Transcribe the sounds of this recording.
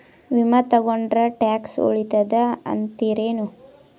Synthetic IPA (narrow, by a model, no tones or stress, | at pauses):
ʋimɐt̪ɐɡoɳɖɾɐʈaːkso̰ɭit̪ɐd̪ɐɐ̰nt̪iːɾeːnu